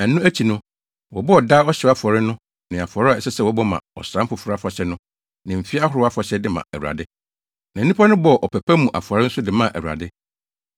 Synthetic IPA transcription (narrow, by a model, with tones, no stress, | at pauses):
æ˨nːũ˦æ˦t͡ɕʰi˨nʊ̃˦ | wɔ˨bɔ˦ɔ˨da˦ɔ˦ɕɪ˨a˦fɔ˨ɾɪ˦nʊ̃˦ | nɪ̃˨a˨fɔ˨ɾɪ˦a˨ɛ˨sɛ˦sɛ˦wɔ˦bɔ˦mã̰˨ɔ̰˨sɾã˦m̩˦fʊ˨fʊ˦ɾa˦fɔ˨ɕɛ˦nʊ̃˦ | nɪ̃˨m̩˨fi˦a˦hʊ˨ɾʊ˦a˦fɔ˨ɕɛ˦dɪ˦mã̰˨æ̰˨ɾu˨a̰˨dɪ˦ | nã˨˦ĩ˦pʰa˦nʊ̃˦bɔ˨ɔ˨ʔɔ˨pʰæ˨pʰæ˦mũ˨ʔa̰˨fʊ˨ɔ˨ɾɪ˦n̩˦sʊ˦dɪ˨mã˦˨ʔæ̰˨u˨a̰˨dɪ˦